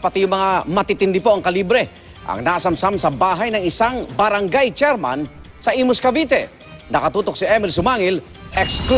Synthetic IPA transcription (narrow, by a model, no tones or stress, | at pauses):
pɐt̪ijʊŋmɐŋamɐt̪it̪ɪnd̪ɪpo̞ʔɐŋkɐlibɾɛ | ʔɐ̰ŋnasɐmsamsɐbaːɦajnɐŋɪsaŋbɐɾaŋɡajt͡ʃɛɾma̰n | sɐʔimʊskɐbit̪ɛ | nɐkɐt̪uːt̪ok̚siʔɛmɪlsʊmaːŋɪl | ʔɛksk